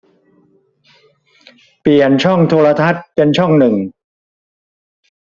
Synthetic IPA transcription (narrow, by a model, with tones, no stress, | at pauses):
pi˨˩ənt͡ɕʰɔ˥˩ŋt̪ʰoː˧ɾa˧t̪ʰa˦˥t̪̚pe˧nt͡ɕʰɔ˥˩ŋnɯ˨˩ŋ